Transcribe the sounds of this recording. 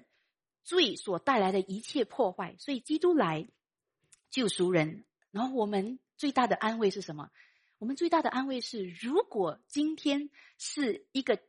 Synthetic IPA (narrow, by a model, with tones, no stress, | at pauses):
t͡swe˥˩ɪswɔ˨˩t̪a˥˩ɪla˧˥ɪd̪ə˧ʔi˧˥t͡ɕʰjɛ˥˧pʰwɔ˥˧xwa˥˩ɪswɔ˧˥i˨˩t͡ɕi˥t̪u˥la˧˥ɪ | t͡ɕjo˥˩ʊʂu˧˥ɻə˧˥n | na˧˥˩wɔ˨˩mə˦nt͡swe˥˧ɪt̪a˥˩d̪ə˩ʔa˥nwe˥˧ɪʂɻ̩˥˩ʂə˧˦nmə̰˧ | wɔ˨˩mə˦nt͡swe˥˧ɪt̪a˥˩də˩ʔa˥nwe˥˧ɪʂɻ̩˥˩ɻu˧˥kwɔ˨˩t͡ɕi˥nt̪ʰjɛ˥n | ʂɻ̩˥˩i˧˥ɡə˧